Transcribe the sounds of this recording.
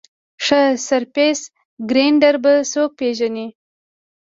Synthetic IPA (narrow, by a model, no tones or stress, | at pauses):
ʂəsaɾpes | ɡɾeɳɖaɾbasok̚peʒani